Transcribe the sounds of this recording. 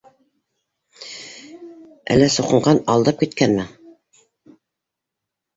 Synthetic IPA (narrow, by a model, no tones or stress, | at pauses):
æ̰lːæsŏqɤ̆ɴɢɑnɑlˠd̪ɤp̚kit̪kænmɘ